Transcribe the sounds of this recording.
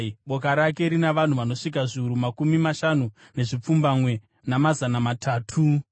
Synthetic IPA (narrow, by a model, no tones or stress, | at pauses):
ɓo̞k̬aɾake̞ɾinaʋan̤uʋano̞ʂik̬aʐiuɾumakumimaʃanu | ne̞ʐip͡fumbamwe̞ | namazanamatʰaːtʰu